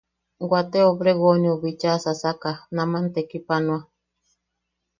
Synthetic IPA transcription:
ɡwat̪eobɾeɣonioβit͡ʃasasakanãmãnt̪ekipanw̃a

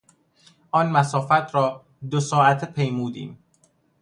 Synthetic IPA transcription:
ʔɒːnmæsɒːfæt̪ʰɾɒː | d̪osɒːæt̪ʰpʰejmuːd̪ḭːm

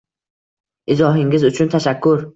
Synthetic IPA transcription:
ʔizɒːɦiŋɡʲizut͡ʃʰunt̪ʰaʃakːuɾ

